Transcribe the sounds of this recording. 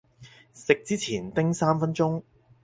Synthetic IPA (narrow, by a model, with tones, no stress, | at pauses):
sɪ˨k̚t͡siː˥t͡sʰiː˨˩nt̪ɪ˥ŋsaː˥mfɐ˥nt͡sʊ˥ŋ